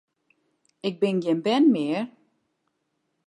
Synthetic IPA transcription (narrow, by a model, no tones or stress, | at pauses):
ɪk̚bɪnɡenbɛnmɪːr